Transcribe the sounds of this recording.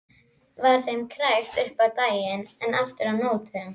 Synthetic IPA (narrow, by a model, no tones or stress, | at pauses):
vaɾ̥θejmkʰɾajxt̪ʏhpawt̪aːjɪnɛnaft̪ʏɾawnoːwt̪ʏm